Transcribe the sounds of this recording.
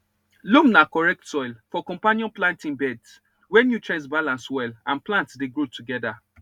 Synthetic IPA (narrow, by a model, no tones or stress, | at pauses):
lũmnakɔɹɛk̚tsɔɪlfɔkɔ̃mpanjɔ̃nplãntĩŋbɛds | wɛnjutʰɹɛ̃nsbalãnswɛlãnplãntsdeɡɹotʰuɡɛda